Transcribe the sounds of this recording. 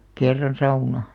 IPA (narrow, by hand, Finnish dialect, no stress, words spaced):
kerːɑn sɑunɑ